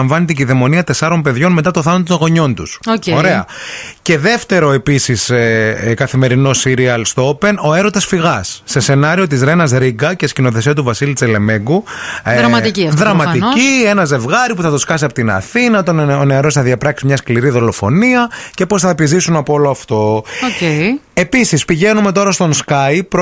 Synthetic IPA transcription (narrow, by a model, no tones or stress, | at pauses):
ɱvɐnet̪ciðemo̞niɐt̪e̞sɐɾo̞mpe̞ðʝo̞nme̞t̪ɐt̪o̞θɐnɐt̪t̪oɣo̞ɲo̞nt̪usooɾe̞ɐ | ce̞ðe̞ft̪e̞ɾo̞e̞pisiskɐθime̞ɾino̞siɾiɐlst̪o̞pe̞no̞e̞ɾo̞t̪ɐsfiɣɐsːe̞se̞nɐɾio̞t̪̬izɾe̞nɐzɾiɡɐcescino̞θe̞siɐt̪uvɐsilit͡sele̞me̞ŋɡuɾɐmɐt̪iciɐðɾɐmɐt̪iie̞nɐze̞vɣɐɾipuθɐt̪oskɐs̬iɐpot̪inɐ̰θinɐt̪ooneɐɾo̞sθɐðʝɐpɾɐksimɲɐskliɾiðo̞lo̞fo̞̰niɐce̞po̞sθɐepizisunɐpoolo̞ɐft̪o̞ocee̞pisispiʝe̞nume̞t̪o̞ɾɐst̪o̞nskɐjpɾ